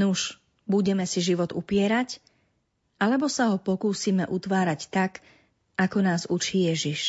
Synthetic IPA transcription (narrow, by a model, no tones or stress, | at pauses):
nuʃ | buɟɛmɛsiʒiʋɔd̪ṵpɪɛɾac | alɛbɔsaɦɔpɔkuːsiːmɛʔut̪ʋaːɾact̪ak | ʔakɔnaːzut͡ʃiːjɛʒiʃ